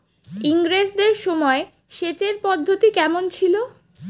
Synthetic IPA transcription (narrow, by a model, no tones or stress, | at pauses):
iŋɾesdeɾʃɔmɔe | ʃet͡ɕeɾpɔd̪ʱːot̪ikɛmont͡ɕʰilo